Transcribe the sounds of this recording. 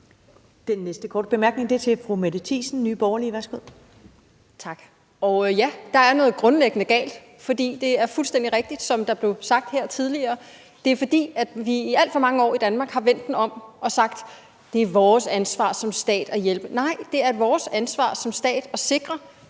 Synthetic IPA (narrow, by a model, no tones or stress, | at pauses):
d̥enːesd̥əkʰɒ̰ːd̥̚b̥e̝mæɐɡ̥ne̝ŋd̥e̝æɐt͡sʰe̝fʁumedət͡sʰḭːsn̩nyːb̥ɒːɐliʋæɐsɡ̥uð̰ˠ | t͡sʰɑ̈ɡ̥ | ɒjæd̥ɑ̈æɐnɔ̽ːð̩ˠɡ̥ʁɔ̽nleɡ̥ənəɡ̥ɛ̰ːld̥ | fɒ̽d̥ḭːd̥e̝æɐfulsd̥en̰d̥iʁɛɡ̥̚d̥id̥sɒ̽md̥ɑ̈b̥le̝ʊsɑ̈ɡ̥̚d̥heɐ̰t͡sʰið̞ˠliɐː | d̥e̝æɐfɒ̽d̥ḭːæd̥ʋiiæl̰d̥fɒ̽mɑ̈ŋəɒ̰ːid̥ænmɑ̈ːɡ̥hɑ̈ʋen̰d̥n̩ɒ̽m̰ʔɒ̽sɑ̈ɡ̥d̥ | d̥e̝æɐʋɒːsænsʋɑ̰̈ːsɒ̽msd̥ɛ̰ːd̥æjelb̥ənɑ̈ɪ̰d̥e̝æɐe̝d̥ʋɒːsænsʋɑ̰̈ːsɒ̽msd̥ɛ̰ːd̥ɒ̽se̝ɡ̥ʁɐ